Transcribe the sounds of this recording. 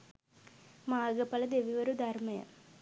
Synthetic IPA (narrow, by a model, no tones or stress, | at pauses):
maːɡɐpɐlɐd̪eʋiʋɐɾud̪ɐɾmɐjɐ̰m